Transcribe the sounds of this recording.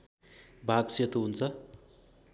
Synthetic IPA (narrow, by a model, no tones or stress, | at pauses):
bʱaɡset̪oɦunt͡sʰʌ